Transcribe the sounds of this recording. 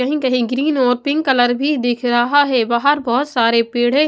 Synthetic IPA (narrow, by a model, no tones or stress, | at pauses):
ɐɦĩkɐɦĩɡɾiːnɔːɾpɪ̃ŋɡkɐləɾbʱid̪ɪkʰɾɐɦaɦɛbaːɦəɾbɔːʊt̪saːɾepeːɽ̤e